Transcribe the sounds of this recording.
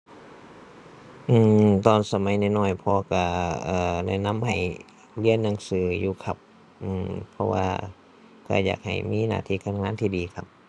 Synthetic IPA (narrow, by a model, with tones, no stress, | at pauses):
ʔɯː˧˩mt̪ɔː˧˨nsa˧ma˧˦jna˧˩jnɔː˧˩jpʰɔː˧ka˧˩ʔɤː˧˩na̰˧˩jna˧˥˨mha˨˩j | li˧˥ənːa˧˩ŋsɯː˧˩juː˧kʰa˧p̚ | ʔɯː˧˩mpʰɔ˧wa̰ː˧ | ka̰˧˩ja̰ː˨˩k̚ha̰˨˩jmiː˧˥˨na̰ː˧˩t̪ʰiː˧˥˨kaː˧˥˨nŋaː˧˥˨nt̪ʰiː˧˩diː˨˦kʰa˧p̚